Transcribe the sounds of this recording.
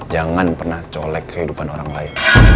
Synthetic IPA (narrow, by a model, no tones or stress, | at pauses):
d͡ʒaŋanpərnaht͡ʃolɛkːəɦidupanoɾaŋlaɪn